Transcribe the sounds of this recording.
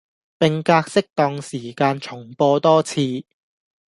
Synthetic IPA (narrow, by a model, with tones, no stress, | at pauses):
pɪ˨ŋkaː˧k̚sɪ˥k̚t̪ɔː˧ŋsiː˨˩kaː˧nt͡sʰʊ˨˩ŋpɔː˧t̪ɔː˥t͡sʰiː˧